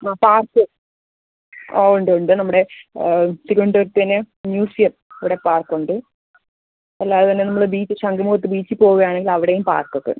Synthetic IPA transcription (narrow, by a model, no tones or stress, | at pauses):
aːpaːrkɨ | oːuɳɖɨuɳɖɨnɐmːuɽe̞ | siɾuɳɖɐrt̪ɐnːɨ | njuːsiɐp | ɐʋiɽe̞paːrkuɳɖɨ | ɐlːaːðɨt̪ɐnːe̞nɐmːɐɭbiːt͡ɕːɨɕɐŋɡɐmuːɐt̪ːɨbiːt͡ɕːɨpo̞ːɣuɣɐjaːɳeŋɡilɐʋiɽejumpa̰ːrkokːɐ̰